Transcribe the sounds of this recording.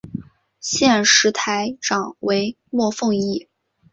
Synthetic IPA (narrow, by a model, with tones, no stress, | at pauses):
ɕjɛ˥˩nʂɻ̩˧˥t̪ʰa˧˥ɪʈ͡ʂɑ˨˩ŋwe˧˥ɪ | mwɔ˥˧fɤ˥˧ŋi˥˩